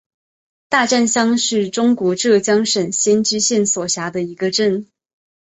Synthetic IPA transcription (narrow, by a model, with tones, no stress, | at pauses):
t̪a˥˧ʈ͡ʂa˥˧nɕjɑ˥ŋʂɻ̩˥˩ʈ͡ʂʊ˥ŋkwɔ˧˥ʈ͡ʂɤ˥˩t͡ɕjɑ˥ŋʂə˨˩nɕjɛ˥nʈ͡ʂɻ̩˥ɕjɛ˥˩nswɔ˨˩ɕja˧˥d̪ə˧i˧˥ɡə˧ʈ͡ʂə˥˩n